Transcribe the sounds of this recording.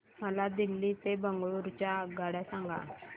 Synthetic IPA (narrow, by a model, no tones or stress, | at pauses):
m̤əlad̪ilːit̪ebəŋɡɭuɾt͡ɕaɡaɽjasãŋɡa̰